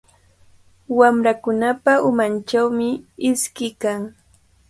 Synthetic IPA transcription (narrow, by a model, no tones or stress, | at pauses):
wamɾakʊnapaʔʊmant͡ʃawmɪɪskɪkaŋ